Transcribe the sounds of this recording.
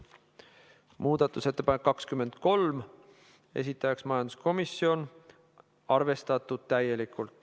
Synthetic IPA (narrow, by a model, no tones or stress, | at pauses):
muːd̪̥ɑt̪ːˑuse̞t̪ːe̞pɑnekːɑkskyme̞nd̪̥ko̞lm | es̬it̪ːˑɑjɑksmɑjɑnd̪usko̞misːio̞n | ɑrve̞st̪ɑt̪ːˑud̪̥̚t̪æje̞likˑult̪ːˑ